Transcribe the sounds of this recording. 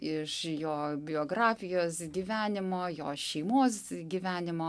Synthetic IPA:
ɪʃjoːbʲɪoːɡɾɑːfʲɪjoːsɡʲiːʋʲæːnʲɪmoːjo̰ːʃʲɛɪmoːsɡʲiʋʲæːnʲɪmoː

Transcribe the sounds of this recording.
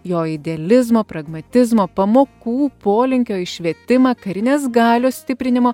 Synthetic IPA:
joːɪd̪ʲɛɐlʲɪzmoːpɾɐɡmɐt̪ʲɪzmoːpɐmoːkuːpoːlʲɪŋʲkʲoːɪʃʲʋʲiɛt̪ʲɪmɐːkɐɾʲɪnʲeːsɡɑːlʲoːsʲt̪ʲɪpʲɾʲɪnʲɪmoː

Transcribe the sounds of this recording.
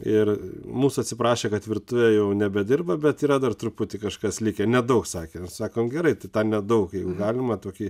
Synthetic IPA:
ɪrmuːsʊɐt̪sʲɪpɾɑːʃʲeːkɐt̪ʋʲɪɾt̪ʊʋʲɛjɛʊnʲɛbʲɛd̪ʲɪrbɐbʲɛt̪iːɾɐd̪ɐrt̪ɾʊppʊt̪ʲɪkɐʃkɐslʲɪkʲenʲɛd̪ɐʊksɑːkʲeːmʲɛssɑːkoːmɡʲɛɾɐɪt̪ɐɪt̪ɐnnʲɛd̪ɐʊkjɛɪɡʊɡɑːlʲɪmɐt̪oːkʲiː

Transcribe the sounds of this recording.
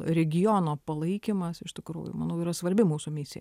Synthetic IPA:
ɾʲɛɡʲɪjoːnoːpɐlˠɐɪkʲɪmɐsɪʃt̪ʲɪkɾṵːjʊ̰mɐnɐʊiːɾɐsʋɐɾʲbʲɪmuːsʊmʲɪsʲɪjɛ̰

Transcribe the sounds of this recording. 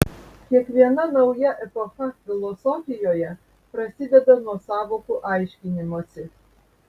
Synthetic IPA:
kʲiɛkʋʲiɛnɐnɐʊjɛʔɛpɔxɐfʲɪlˠɔsɔfʲɪjɔjɛ | pɾɐsʲɪd̪ʲɛd̪ɐnuɔsɑːʋɔkʊʔɑjʃʲkʲɪnʲɪmɔsʲɪ

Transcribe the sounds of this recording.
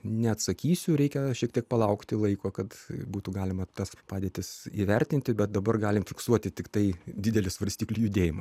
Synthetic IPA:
nʲɛɐt̪sɐkʲiːsʲʊɾʲɛɪkʲɛʃʲiɛkt̪ʲiɛk̚pɐlˠɐʊkt̪ʲɪlˠɐɪkoːkɐt̪buːt̪uɡɑːlʲɪmɐt̪ɐspɑːdʲeːt̪ʲɪsiːʋʲɛrʲt̪ʲɪnʲt̪ʲɪbʲɛt̪̚d̪ɐbɐrɡɑːlʲɪmfʲɪksuɔt̪ʲɪt̪ʲɪkt̪ɐɪd̪ʲɪd̪ʲɛlʲɪsʋɐɾʲsʲt̪ʲiːklʲijʊd̪ʲeːjɪmɐ

